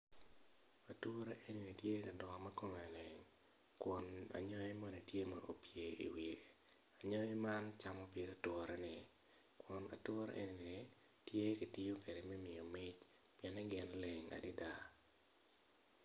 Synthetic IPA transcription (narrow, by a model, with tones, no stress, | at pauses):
a˨two˦ɾe˦ʔe˦ni˨ni˨tje˦ka˨dɔ˨ma˦ko˦me˨le˨ŋ | kwɔ˨na̰˨ɲɔ˦je˦mɔ˦ne˨tje˦mɔ̰˨ɾo̰˨pje˨ḭ˨wi˨ | a˨ɲɔ˦je˦ma˦nt͡ʃa˨mɔ˦pje˦ka˨twɔ˦ɾɛ˦nɪ˨ | kwɔ˨na̰˨two˦ɾa̰ʔḛ˦ni˨nɪ˨ | tje˦ki˨ti˦jo˦ke˨de˨mɛ˦mɪ˨o˨mɪ˦t͡ʃ | pjɛ˨nɛ˦ɡɪ˦nle˨ŋa̰˨dɪ˦da˦